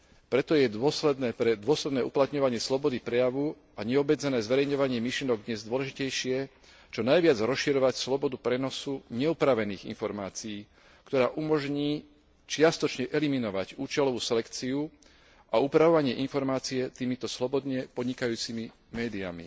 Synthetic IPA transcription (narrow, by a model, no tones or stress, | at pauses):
pɾɛt̪ɔjɛd̪ʊɔslɛd̪nɛːpɾɛd̪ʊɔslɛd̪nɛːʔuplat̪ɲɔʋaɲɪɛslɔbɔd̪ipɾɛjaʋu | aɲɛɔbɛd͡zɛnɛːzʋɛɾɛjɲɔʋaɲɪɛmiʃliɛnɔɡ̚d̪ɲɛzd̪ʊɔlɛʒicɛjʃɪɛ | t͡ʃɔnajʋɪad͡zɾɔsʃiɾɔʋacslɔbɔd̪upɾɛnɔsuɲɛupɾaʋɛniːɣḭnfɔɾmaːt͡sijiː | kt̪ɔɾaːʔumɔʒɲiː | t͡ʃɪast̪ɔt͡ʃɲɛʔɛliminɔʋaɟuːt͡ʃɛlɔʋuːsɛlɛkt͡siu | ʔaupɾaʋɔʋaɲɪɛʔinfɔɾmaːt͡siɛt̪iːmit̪ɔslɔbɔd̪ɲɛpɔd̪ɲikajuːt͡simi | mɛːd̪ia̰mḭ